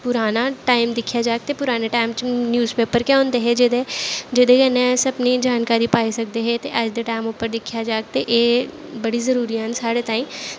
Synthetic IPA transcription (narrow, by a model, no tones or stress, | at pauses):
pʊɾaːnaʈaːɪmd̪ɪkʰjad͡ʒaːk̚t̪epʊɾaːneʈaːɪmt͡ʃnjuːzpeːpəɾkjaɦõːnd̪eɦɛd͡ʒɪd̪ed͡ʒɪd̪ekɛnẽsɐbnid͡ʒaːnkaːɾipaːisɐk̚d̪eɦɛt̪eʔɐd͡ʒd̪eʈaːɪmʊpːəɾd̪ɪkʰjad͡ʒaːk̚t̪eʔeːbɐɽizɐɾuːɾiansaːɽet̪aːɪm